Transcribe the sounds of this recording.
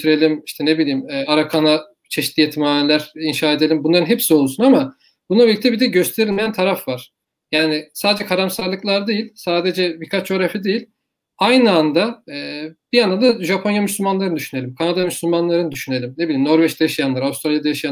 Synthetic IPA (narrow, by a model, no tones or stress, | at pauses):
t̪ʰyɾe̞lʲimiʃt̪ʰɛnebilʲijːimɛaɾakʰana | t͡ʃʰeʃit̪lʲijet̪ʰimaːnelʲæɾinʃaːed̪elʲimbunlˠaɾɯnɦɛpsio̞lˠsunama | bunlˠabilʲic̚t̪ʰɛbid̪ɛɟø̞st̪ʰe̞ɾilʲmejænt̪ʰaɾafvaɾ̥ | jaːnɪsaːd̪ed͡ʒɛkʰaɾamsaɾlˠɯklˠaɾd̪ejilʲsaːd̪e̞d͡ʒɛbikʰat͡ʃd͡ʒo̞ɾafid̪ejilʲ | ajnɯand̪aɛːb̥ijand̪amnd̪aʒapʰo̞njamyslʲymanlˠaɾɯnd̪yʃyne̞lʲimkʰanad̪amyslʲylmanlˠaɾɯnɯd̪yʃyne̞lʲimnebilʲimno̞ɾvɛt͡ʃd̪ajaʃjanlˠaɾaust̪ɾalʲjad̪ajaʃja